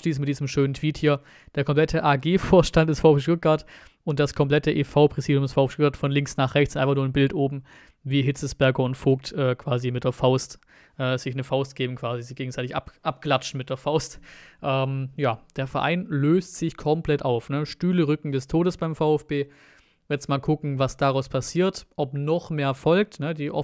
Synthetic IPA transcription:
ʃliːsn̩mɪt̚d̥iːzəmʃøːnəntv̥iːthiːɐ | d̥eːɐkʰɔmpl̥ɛtʰəʔaːɡeːfoːɐʃtantd̥ɛsfaʊfʃtʊt̚ɡ̥aɐtʔʊnt̚d̥askʰɔmpl̥ɛtəʔeːfaʊpʁ̥ɛziːdjʊmdɛsfaʊɛftʊtɡaɐtfɔnlɪŋksnaːχʁɛçtt͡ssnʔaɪfanuɐnbɪltʔoːbm̩ | viːɦɪt͡səsb̥ɛɐɡɐʊntfoːktʔɛːkʰv̥aːzimɪt̚d̥eːɐfaʊst | ʔɛːz̥ɪçnəfaʊst̚ɡ̥eːbm̩kʰv̥aːzizɪçɡ̥eːɡŋ̩z̥aɪtɪçʔa̰pʔap̚ɡ̥lat͡ʃn̩mɪt̚d̥eːɐfaʊstʔɛːmjaːd̥eːɐfɛɐʔa̰ɪnløːstz̥ɪçkʰɔmpl̥ɛtʔaʊfnəʃtyːləʁʏkŋ̩dɛstʰoːɾəsb̥aɪmfaʊɛfb̥eː | jɛt͡sstmaːlkʰʊkŋ̩vasd̥aʁaʊspʰasiːɐtʔɔpnɔχmeːɐfɔlk̚tnədiːʔɔ

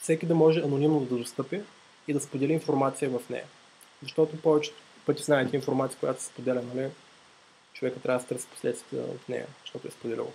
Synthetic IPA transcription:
fsɛkʲid̪ɐmɔʒɛɐnonimnod̪ɐd̪ost̪ɤpʲə | id̪ɐspod̪ɛliinfoɾmat̪sijəvɐfnɛ̰jɐ | zɐʃt̪ɔt̪opɔvɛt͡ʃɛ̥t̪ | pɤt̪ʲiznaɛt̪ɛinfoɾmat̪ijəkʊjat̪o̥sɛ̥spod̪ɛlʲənəli | t͡ʃovɛkət̪ːɾʲavəd̪st̪ɾəspo̥slɛt̪st̪ə̰fnɛ̰jɐ̰zəʃt̪ɔt̪ʊɛspod̪ɛlḭlˠ

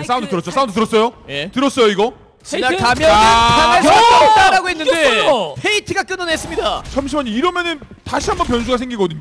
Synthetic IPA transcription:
jes͈aund̪otɯɾʌt͡ɕ͈os͈aundot̬ɯɾʌs͈ʌjojetɯɾʌs͈ʌjoiɡʌ | t͡ɕinaamjʌɯpʰamaɭʌadaɾaɡoɦe̞nːɯnde̞pʰeitʰɯɡak͈ɯnʌnes͈ɯmɲidat͡ɕʰʌmɕʰimʌɲiiɾʌmjʌnɯn | taɕʰiɦambʌnp̬jʌns̬ʰuɡasʰeŋɡiɡʌdɯɲ

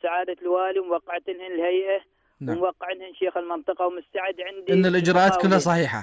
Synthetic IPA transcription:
saʕaːd̪alwaːliwmwɑqːɪʕt̪lhɪnɪlhajʔa | namwɑqːɪʕɪnhɪnʃeːxɪlmɪnt̪ˤɨqɑwmʊst̪aʕɪd̪ʕɪnd̪ʔɪnːalʔɪd͡ʒɾˤɑːʔaːt̪kʊlːhasˤɑħiːħa̰

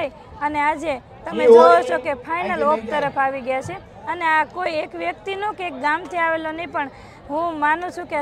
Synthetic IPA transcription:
ənead͡ʒe | t̪əmed͡ʒoɦot͡ʃʰokepʰajnəlop̚t̪əɾəpʰaʋiɡjat͡ʃʰe | əneakoiekʋjəkt̪inokeek̚ɡamt̪ʰiaʋelonəĩpəɳ | ɦũmanũt͡ʃʰũke

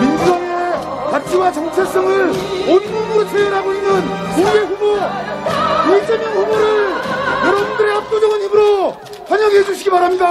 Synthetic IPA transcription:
mind͡ʑudaŋe | kat͡ɕʰiwat͡ɕʌŋt͡ɕʰes͈ʌŋɯɾonmuɡuɾot͡ɕʰejʌɾɦaboinɯnkuɡeɸubo | kud͡ʑʰʌmjʌŋɸuboɾɯɭkʌɾʌmundɯɾe̞ap̚t͈od͡ʑʌɡɯnɦibɯɾo | pʰʌɲʌɡed͡ʑuɕʰiɡipaɾamɲida

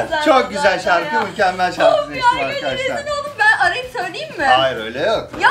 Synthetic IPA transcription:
t͡ʃʰok̚ɟyzælʲʃaɾkʰɯmylʲcæmːælʲʃaɾɾkɯneimaɾkaaaobænɐɾajɯsøjlʲejimːɪajɾø̰jlʲɛjok̚j

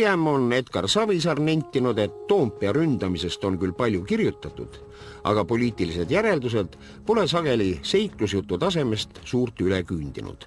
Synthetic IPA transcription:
emo̞ne̞t̪kɑrsɑvisɑrnenʲt̪ʲːˑinud̪̥e̞t̪ːo̞ːmpːˑiɑɾynd̪̥ɑmise̞st̪o̞nkylːpɑlʲjukirjut̪ːˑɑt̪ːˑud̪̥ | ʔɑ̰ɡ̥ɑpo̞lʲiːt̪ːˑilise̞d̪jæɾe̞ld̪us̬e̞d̪̥ | pole̞sɑɡ̥e̞lʲise̞jklus̬jut̪ˑːut̪ɑse̞me̞st̪suːrt̪ylekyːnd̪̥ḭnṵd̪̥

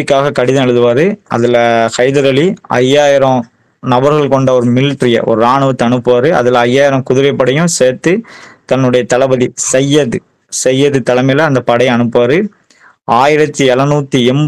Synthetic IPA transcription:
ɪkːaːɣɐkɐɽɪðɐnɐɭɯðɯʋaːɾɯɐ̰ðɪlɐkɐɪðɐɾɐɭiɐ̰jːaːjɪɾɐ̃ | nɐbɐɾɣɐɭkɔɳɖɐɔɾɯmɪlʈɾɪjɐ̰ʔɔ̰ɾɯaːɳɯʋɐt̪ːɯɐɳɯpːɯʋaːɾɯɐ̰ðɪlɐːjːaːjɪɾɐ̃kʊðɪɾɐɪpːɐɽɐjʊ̃seːɾt̪ːɯt̪ɐnːɯɽɐjɐt̪ɐlɐbɐðisɛjːɐðɯ | sɛjːɐðɯt̪ɐlɐmɐɪlɐːnd̪ɐpɐɽɐɪɐɳɯpːʋaːɾɯ | aːjɪɾɐt̪ːɯɛlɐnuːt̪ːɯɛmb

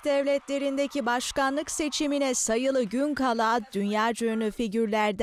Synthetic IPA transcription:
d̪ɛvlʲɛt̪lʲe̞ɾind̪e̞cibaʃkanlˠɯkse̞t͡ʃʰiminɛsajɯlˠɯɟynkʰalˠaːd̪ynjaːd͡ʒøjnyfiɟyɾlʲæɾd̪

